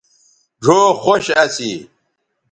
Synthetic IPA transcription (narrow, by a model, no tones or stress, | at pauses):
ɖʱoːxoɕɐsi